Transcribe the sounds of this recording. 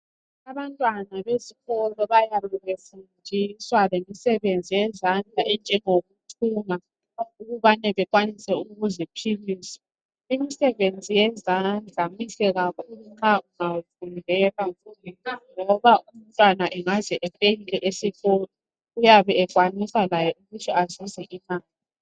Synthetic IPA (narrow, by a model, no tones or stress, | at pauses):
aβantʼwanaβeziɣɔlɔβajaβɛβefundʱiswalemisɛβend͡zʱijɛzand͡ɮʱaɛnd͡ʒʱɛŋoɣutʰuma | uɣuβanɛβɛk̬ʼwanisɛuɣuzipʰiliːsa | imisɛβend͡zʱijɛzand͡ɮʱamisɛɣakʰuluŋ͡ǁauŋavundʱɛlaulɛŋɔβaum̩tʼwanaʔɛŋazɛʔɛpʼeɣilɛʔesiɣoli | ujaβɛɛkʼwanisalajɛuɣutʰiazizɛʔinaːa